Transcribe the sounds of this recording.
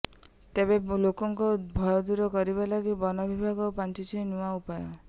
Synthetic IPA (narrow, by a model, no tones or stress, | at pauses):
t̪ebelokɔŋkɔbʱɔjɔd̪uɾɔkɔɾibalaɡibɔnɔbʱibʱaɡɔpant͡ʃit͡ʃʰinuwaupajɔ